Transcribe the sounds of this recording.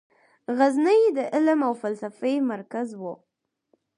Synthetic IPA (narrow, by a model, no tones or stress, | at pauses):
ɣaznajed̪əʔɪləmawfalsafajmaɾkazwo